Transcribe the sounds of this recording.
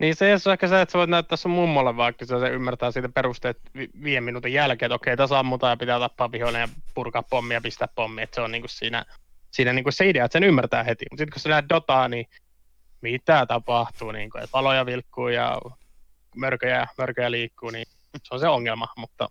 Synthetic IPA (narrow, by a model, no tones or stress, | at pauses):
niːseosehkæsæet̪seʋoˑit̪næyt̪ːæːsːommumːoɑlːeʋʋɑːkysæseymːært̪æːsiːt̪æperust̪et̪ʋiʋieminuːt̪ejjælkeːet̪okːeˑit̪æsɑmːut̪ɑjɑpit̪æːt̪ɑpːɑːʋpiholejɑpurkɑːppomːijɑpist̪æppomːiet̪seonniːŋkussiːnæ̰siːnæniːŋkusseideɑet̪senymːært̪æːhet̪ḭmut̪sit̪kossenæyt̪̚dot̪ɑːni | mit̪æt̪ɑpɑht̪uːnḭːŋkuḛt̪ʋɑlojɑʋilkːuːjɑ̰ | mørkøjæmørkøjæliːkːuːni | seonseoŋːelmɑmut̪ːɑ̰